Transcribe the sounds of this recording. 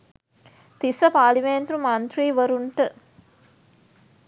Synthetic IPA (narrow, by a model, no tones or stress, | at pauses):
t̪isəpaːlimeːnt̪ɾumant̪ɾiːʋəɾuɳʈə